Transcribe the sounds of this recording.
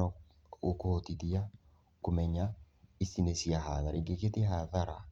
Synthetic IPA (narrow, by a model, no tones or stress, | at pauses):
ɔ | okootiðia | komɛɲaisinesiaɦaðaɾeŋɡeketeɦaðaɾa